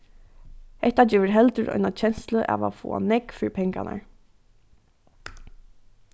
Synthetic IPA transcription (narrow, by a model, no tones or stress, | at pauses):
hɛht̪ad͡ʒɛːʋɪɹɦɛlt̪əɾʔɔ̰ʏnat͡ʃʰɛnsləʔa̰ːʋafo̰ːa̰nɛkfɪɹipʰɛŋkana̰ɹ